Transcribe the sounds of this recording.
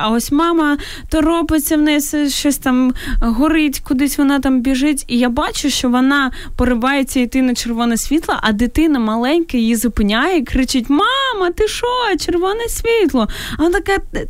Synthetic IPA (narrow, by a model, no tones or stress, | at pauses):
ɐɔsʲmɑmɐ | t̪ɔɾɔpɪt͡sʲːɐwnɛjsɛʃt͡ʃɔsʲt̪ɑmɦɔɾɪtʲkʊd̪ɪsʲʋɔnɑt̪ɑmbʲiʒɪtʲijabɑt͡ʃʊʃt͡ʃɔʋɔnɑ | pɔɾɪbɑjet͡sʲːɐit̪ɪnɐt͡ʃerʋɔnɐsʲʋʲit̪lˠɐʔɐd̪ɪt̪ɪnɐmɐlˠɛnʲkɐjjizʊpɪnʲajɛikɾɪt͡ʃɪtʲmɑmɐt̪ɪʃɔt͡ʃerʋɔnɛsʲʋʲit̪lˠɔɐɔt̪ɐkɛ